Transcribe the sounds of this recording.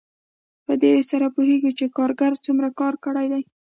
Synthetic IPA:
pəd̪ewesaɾapuheɡit͡ʃekɑɾɡaɾt͡sumɾakɑɾkəɽajd̪aj

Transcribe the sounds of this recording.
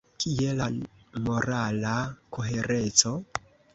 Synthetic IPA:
kʰielamo̞ɾalakʰoɦeɾet͡so̞

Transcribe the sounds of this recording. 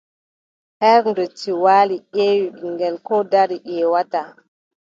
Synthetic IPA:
hɛɾndɔtiwaːliʔɛwiɗiŋɡɛlkɔdaɾiʔɛwata

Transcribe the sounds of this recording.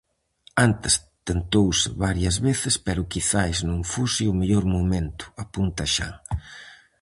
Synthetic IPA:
ant̪ɪst̪ent̪owsɪ̰βaɾjɐzβeθɪspɛɾʊkiθajznõŋfusiʊmeʎoɾmomẽnt̪ʊ̥apunt̪aʃa̰ŋ

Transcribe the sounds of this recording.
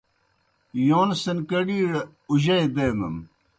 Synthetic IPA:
joːnsənkɐɽiːɽ | uʑɐed̪eːmɐ̰m

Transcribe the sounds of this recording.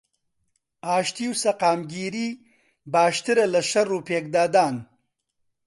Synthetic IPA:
aːʃt̪iwsɐqɑːmɡiːɾi | baːʃt̪iɾalaʃaɾopeːk̚d̪aːd̪ɑːn

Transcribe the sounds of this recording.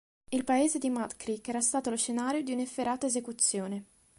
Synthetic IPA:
ilpaeːzed̪imat̪kɾikːɛːɾast̪aːt̪oloʃenaːɾjod̪iunefːeɾaːt̪aezekut̪sːjoːne

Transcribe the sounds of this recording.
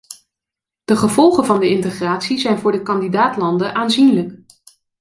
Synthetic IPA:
d̥əχəvɔlˠχəvɑndəɪntəχraːtsizɛjnvʊːɹdəkɑndidaːtlɑndəʔaːnzinlək

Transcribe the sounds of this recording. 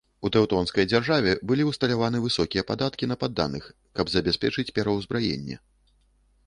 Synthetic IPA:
ut̪ɛwt̪ɔnskɐjd͡zʲarʐavʲɛbɨlʲiwst̪ɐlʲavanɨvɨsɔkʲijɛpad̪at̪kʲinɐpad̪ːa̰nɨx | kɐbzɐbʲɛsʲpʲɛt͡ʂɨt͡sʲpʲɛɾɐwzbɾajɛ̰nʲːɛ̰

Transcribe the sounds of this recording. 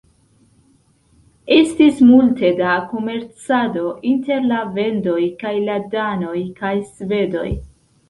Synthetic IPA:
e̞stismulte̞dako̞me̞ɾt͡sado̞ʔinte̞ɾlave̞ndo̞jkajladano̞jkajsve̞do̞̰j

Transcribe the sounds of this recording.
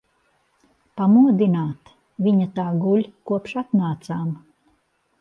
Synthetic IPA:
pamuɔd̪inaːt̪ | vʲiɲat̪aːɡulʲkuɔpʃat̪naːt̪saːm

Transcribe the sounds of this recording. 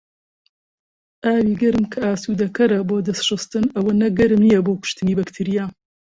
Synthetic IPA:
ʔaːwiːɡɐɾɨmkʰɐaːsuːd̪ɐkɐɾɐboːd̪ɐsʃɨst̪ɨnɐwɐnɐɡɐɾɨmnijɐboːwkʊ̥ʃt̪ɨniːbɐkt̪ʰɨɾijaː

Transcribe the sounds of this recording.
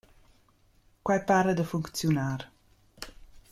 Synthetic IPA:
kwajpaɾəd̪əfuŋkt͡sjunaːɾ

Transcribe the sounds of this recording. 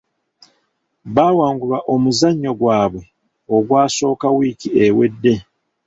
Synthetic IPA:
βawaːŋɡulaʔo̞muzaɲːo̞ɡwaːβwe̞ | oɡwaːso̞ːkawiːkiewedːe̞

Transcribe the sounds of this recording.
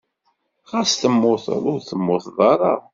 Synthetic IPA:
ʁæsθəmːʊθɾʊɾθəmːʊθðˤɑɾˤɑ

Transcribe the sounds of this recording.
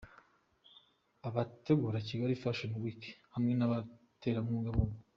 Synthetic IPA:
aβate̞ɡuɾaciɡaɾifaʃonwiki̥hamŋe̞naβate̞ːɾamuːɡaβoβo

